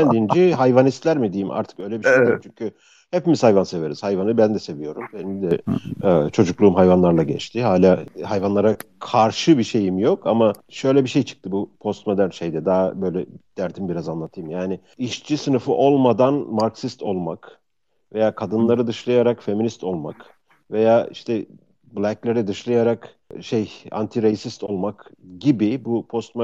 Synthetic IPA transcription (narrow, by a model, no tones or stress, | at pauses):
bænd̪ind͡ʒiɦajvanist̪lʲæɾmid̪ijimʔa̰ɾt̪ʰɯ̥kø̞jlʲɛbiʃejiimt͡ʃʰyɲcʰy | hepimizhajvanse̞ve̞ɾiz̥hajvanɯbænd̪ɛse̞vijo̞ɾumbenid̪ɛɛːt͡ʃʰo̞d͡ʒuklˠuːumɦajvanlˠaɾlˠaɟɛ̰t͡ʃt̪ʰiɦaːlʲaːhajvanlˠaɾakʰaɾʃɯbiʃe̞jimjo̞kʰamaʃø̞jlʲɛbiʃe̞jt͡ʃʰɯ̥k̚t̪ʰɯbupʰo̞st̪mo̞d̪ænʃejd̪ɛd̪aːbø̞jlʲɛd̪̥æɾt̪ʰimbiɾazanlˠat̪ʰɯjɯmjaːnɪ | iʃt͡ʃʰisɯnɯfɯʔo̞lˠmad̪anmaɾksist̪ʰo̞lˠmak | ve̞jaːkʰad̪ɯnlˠaɾɯd̪ɯʃlˠajaɾakfe̞minist̪ʰo̞lˠma̰k | ve̞jaːiʃt̪ʰɛ | blʲæklʲeɾɛd̪ɯʃlˠajaɾak | ʃeja̰nt̪ʰiɾejsist̪o̞lˠmakɟibibupʰo̞st̪m